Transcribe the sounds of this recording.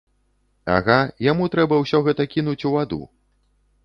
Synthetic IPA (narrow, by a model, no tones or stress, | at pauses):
a̰ɣajamut̪ɾɛbɐwsʲɔɣɛt̪ɐkʲinut͡sʲuvad̪ṵ